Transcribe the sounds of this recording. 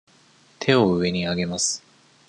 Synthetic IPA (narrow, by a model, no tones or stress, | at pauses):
t̪ʰe̞o̞ɯ̟e̞ɲ̟iaɡe̞masɨ̥